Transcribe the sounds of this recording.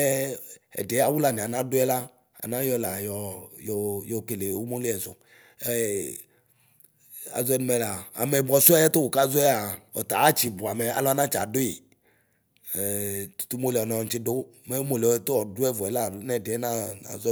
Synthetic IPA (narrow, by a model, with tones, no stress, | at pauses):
ɛ˦ɛ̰˨da˨wu˦la˨ni˨a˨nã˦dʊ˦ɛ˦la˦ | a̰˨nã˦jɔ˦la˨jɔ˨˦jɔ˨jɔ˨ke˨le˨wu˦mo˦li˦ɛ˨zʊ̰˨ | ɛ˦ | a̰˨zʊ˦ɛ˦nu˦mɛ˨˦la˨a̰˨mɛ˨bɔ˦su˦ɛ˦ɛ˦t̪o˦wo˨ka˦zɛ˦a˨ɔ̰˨t̪a˨a˦t͡ʃi˨bu˨a˨mɛ˨a̰˨lɔ˦a˦nã˦t͡ʃa̰˨dʊ˦i˨ | t̪u̥˨t̪u˦mo˦li˨ɔ˨nɔ̃˨n̩˦t͡ʃi˦do˦ | mɛ˦u˦mo˦le˨ɔ˨t̪o˦ɔ˨du˦ɛ˦vu˨ɛ˨la˦˨nɛ˦˨de˨ɛ˦na˦na̰˨z